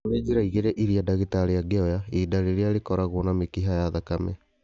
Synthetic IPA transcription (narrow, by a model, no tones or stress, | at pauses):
ɾed͡ʒiɾaiɣeɾɛʔiɾiadaɣetaɾejaɡeɔjaedaɾeɾeaɾekɔɾaɣwɔnamekiɦajaðakamɛ̰